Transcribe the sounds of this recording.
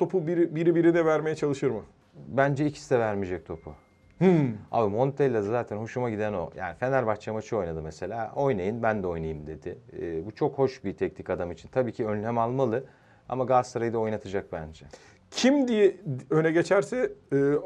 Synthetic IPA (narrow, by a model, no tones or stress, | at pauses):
t̪ʰo̞pʰubiɾibiɾibiɾid̪ɛvæɾmejɛt͡ʃʰalˠɯʃɯɾmɯ | bænd͡ʒɛicʰi̥sid̪ɛvæɾmid͡ʒɛc̚t̪ʰo̞pʰu | a̰bɯmo̞nt̪ʰɛlʲːad̪azaːt̪ʰænho̞ʃumaɟid̪æno̞̰ja̰ːnife̞nælʲbat͡ʃamat͡ʃʰɯo̞jnad̪ɯmese̞lʲaːo̞jnajɯnbænd̪ɛo̞jnajɯmd̪e̞d̪ɪːbut͡ʃʰo̞kho̞ʃbit̪ʰɛcnikad̪amit͡ʃʰint̪ʰabiːcʰiønlʲɛmalˠmalˠɯ | a̰maɡaz̥saɾajd̪ao̞jnat̪ʰɯd͡ʒak̚bænd͡ʒɛ | cʰimd̪ijɛønɛɟe̞t͡ʃʰæɾsɛː